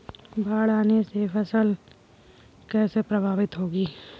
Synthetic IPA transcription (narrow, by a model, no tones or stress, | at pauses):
bʱaːɽaːnesepʰɐsəl | kɛːsepɾəbʱaːʋɪt̪ɦoːɡiː